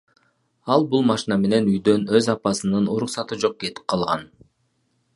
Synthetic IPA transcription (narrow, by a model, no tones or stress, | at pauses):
ɑlˠbulˠmɑʃinɑme̞ne̞nyjd̪ø̞nø̞zɑpɑsɯnɯnuɾuqsɑt̪ɯd͡ʒo̞q̚ɡe̞t̪i̥p̚qʰɑlˠʁɑn